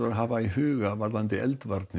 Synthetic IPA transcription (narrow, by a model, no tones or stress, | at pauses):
aɾɦaːʋaiɦøːɣaʋaɾðant̪ɪʔɛlt̪ʋaɾt̪nɪ